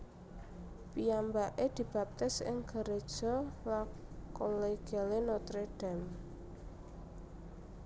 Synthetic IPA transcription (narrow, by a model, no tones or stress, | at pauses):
pijambaʔed̪̥i̤b̥a̤p̚t̪ɪsɪ̰ŋɡ̥ə̤ɾed̥ʒ̥ɔ̤lakoleɡ̥alenot̪ɾeɖ̥ɛ̤m